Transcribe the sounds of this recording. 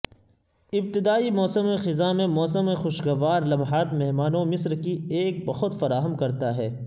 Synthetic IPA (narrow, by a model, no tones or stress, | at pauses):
ɪb̚t̪ɪd̪aːimɔːsəmẽxɪzamẽmɔːsəmẽxʊʃɡɐʋaːɾlɐmɦaːt̪mɛɦmaːnomɪsɾkieːk̚bɐɦʊt̪fɐɾaːɦəmkɐɾt̪aɦɛː